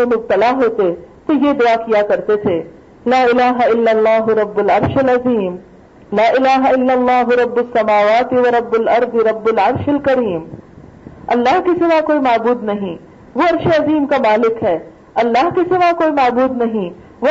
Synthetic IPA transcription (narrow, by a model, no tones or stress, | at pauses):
emʊb̚t̪ɐlaɦoːt̪et̪ojed̪ʊakijakɐɾt̪et̪ʰe | laːɪlaːɦaɪlːɐlːaːɦʊɾɐbːʊlɐɾʃɐlɐziːm | laːʔɪlaːɦaɪlːɐlˤːaːɦʊɾɐbːʊsːɐmaːʋaːt̪iʋɐɾɐbːʊlɐɾd̪ɪɾɐbːʊlɐɾʃɐlkɐɾiːm | ɐlːaːɦkisɪʋakoːimaːbuːd̪nɐɦĩ | ʋoɐɾʃeɐziːmkamaːlɪkɦɛː | ɐlːaːɦkisɪʋakoːimaːbuːd̪nɐɦĩ | ʋo